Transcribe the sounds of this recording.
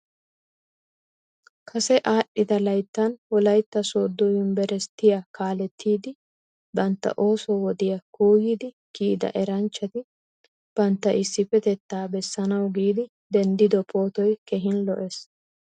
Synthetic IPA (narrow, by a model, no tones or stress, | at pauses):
kʰɐsɛʔaːɗːɪd̪ɐlɐjt̪ːɐnwɔlɐjt̪ːɐsoːd̪ːɔjʊnbɛɾɛst̪ːɪjakaːlɛt̪ʰːiːd̪ɪ | bɐnt̪ːɐ̰ʔo̞ːsɔwɔd̪ɪjɐkuːɡiːd̪ɪ | kiːd̪ɐ̰ʔɛɾɐnt͡ʃːɐt̪ɪ | b̥ɐnt̪ːɐʔɪsːɪfɛt̪ɛt̪ːaːbɛsːɐnɐwɡiːd̪ɪ | d̪ɛnd̪ɪd̪ɔpʰo̞ːt̪ɔjkɛɦɪnlɔ̰ʔɛs